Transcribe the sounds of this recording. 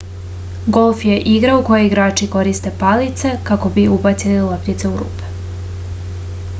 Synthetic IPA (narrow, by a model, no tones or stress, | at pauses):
ɡo̞lˠfje̞ʔiɡɾauko̞jeiɡɾaːt͡ʃiko̞ɾist̪e̞palit̪sekako̞biubat̪sililˠəpnit̪se̞uɾṵːpe̥